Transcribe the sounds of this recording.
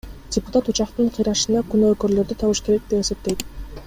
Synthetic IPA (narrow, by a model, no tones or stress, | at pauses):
d̥ʲepu̥t̪at̪ʊt͡ɕaχt̪əɴqʰəjɾaːʃə̆nakʰunoːkøɾløɾd̪øt̪ʰɔwə̆ʃkeɾek̚t̪eɡesep̚t̪et̪